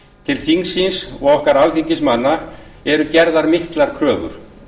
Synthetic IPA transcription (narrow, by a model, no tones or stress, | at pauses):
t̪ʰɪlθiŋsinsɔɣɔhkaɾalθiɲcɪsmanːaɛɾʏcɛɾðaɾmɪhklaɾ̥kʰɾœːɣʏ̰ɾ̥